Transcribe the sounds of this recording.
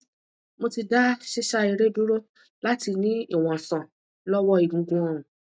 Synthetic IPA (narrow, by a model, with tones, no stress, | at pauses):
mo˧ti˧da˦ʃe˦ʃa˦i˧ɾe˦dũ˦ɾo˦ | la˦ti˧nĩ˦i˦˨w̃ɔ̃˨sã˨ | lɔ˦wɔ˦i˨ɡũ˨ɡũ˧ɔ̃˧ũ˨